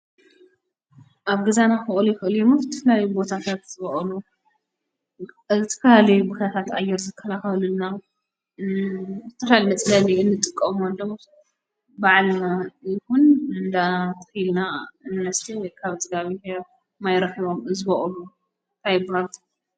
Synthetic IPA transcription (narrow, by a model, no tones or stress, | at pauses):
ʔaβɡɨzanaxɨʔʼlujɪxɨʔɨljomɐɨt̪ʰːɨ̥flajbo̞t̪ʰat̪ʰat̪zɨβɐʔʼlu | zt̪ʰɨ̥kaalibot̪ʰat̪ʰat̪ʔajːɛɾzɨkʰːɐlaxɐluna | zɨt̪ʰɐflalimɐt͡sʼlaniɨnːɨt̪ʼɨkʼːɐmolːom | baʕlnajɪxunɨnd̪at̪ʼɨxilnainvɐst̪ʰiwɔjkʰaβzʼɨɡaβihe | majɾɐxiβo̞mzɨβɐʔʼlu | t̪ʰajbɾat̪ʼ